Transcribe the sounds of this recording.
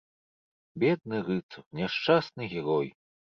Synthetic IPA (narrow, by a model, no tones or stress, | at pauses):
bʲɛd̪̚nɨɾɨt̪sɐpnʲɛʂt͡ʂasnɨɣʲɛɾɔj